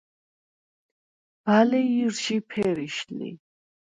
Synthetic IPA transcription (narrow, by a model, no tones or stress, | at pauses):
b̥alɛiɾʃipʰɛɾiʃlḭ